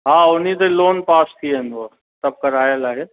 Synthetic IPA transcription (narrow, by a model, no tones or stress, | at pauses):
ɦãːʊnit̪̬eloːnpaːst̪ʰiẽːnd̪oaː | t̪ɐb̚kɐɾaːjəlaːɦeː